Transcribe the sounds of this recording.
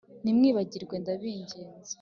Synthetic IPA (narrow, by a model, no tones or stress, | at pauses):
nimŋiːβaɟiɾɡwe̞ndaβiːɲɟe̞ːnze̥